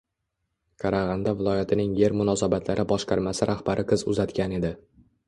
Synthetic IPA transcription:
kʰɑɾaʁɑnd̪avɪlˠɒjat̪ʰɪnɪŋje̞ɾmʊnɒsabat̪ʰlaɾɪbɒʃqʰɑɾmasɪɾʔaχbaɾʔɪqʰɨzʊzat̪kʲane̞d̪ɪ

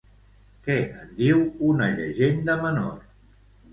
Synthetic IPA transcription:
kɛʔənd̪iwunəʎəʒend̪əməno̰r

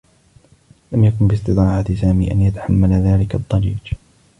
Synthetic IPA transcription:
lamjakʊnbɪst̪ɨt̪ˤɑːʕat̪ɪsaːmiːʔanjat̪ḁħamːalaðaːlɪkɑt̪ˤːɑɾḭːd͡ʒ

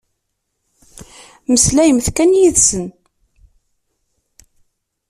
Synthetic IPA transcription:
məslæjəmθkænjiðsən

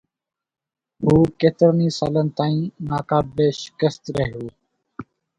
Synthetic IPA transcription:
ɦuːkeːt̪əɾniːsaːlənt̪aːĩːnaːkaːbeːʃɪ̥kəst̪ɾəɦɪjoː

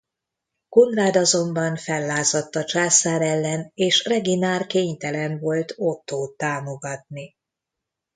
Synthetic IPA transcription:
ko̞nraːd̪ɒzo̞mbɒnfɛlːaːzɒt̪ːɒt͡ʃaːsaːɾɛlːɛneːʃrɛɡinaːrkeːɲt̪ɛlɛnvo̞lt̪ot̪ːoːt̪ːaːmo̞ɡɒt̪ni

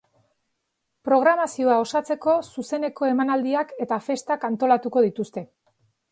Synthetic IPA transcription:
pɾo̞ɣ̞ɾamasio̞ao̞sat͡se̞ko̞suse̞neko̞e̞manald̪iake̞t̪afe̞st̪akant̪o̞lat̪uko̞ð̞it̪ust̪e̞

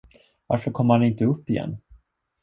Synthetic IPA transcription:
va̰ɾfœɾkʰɔmːhanɪnt̪əɵpːɪjɛ̰nː

